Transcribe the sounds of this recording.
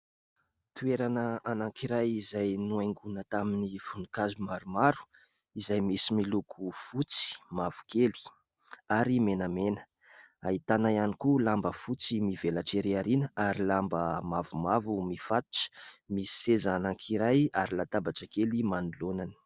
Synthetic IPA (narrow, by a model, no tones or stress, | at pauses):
t̪ueɾanəanãŋkʰiɾajizajnuajŋɡunət̪aminifunukazumaɾumaɾu̥ | izajmisimilukʰufut͡si̥mav̥u̥kʰeli̥ | aɾimenamenə̥ | ait̪anajanikulambəfut͡simivelaʈ͡ʂeɾeaɾinəaɾilambəmavumavumifat̪u̥ʈ͡ʂə̥misi̥sezaːnaŋkʰiɾajaɾilat̪abaʈ͡ʂəkelimanulonani̥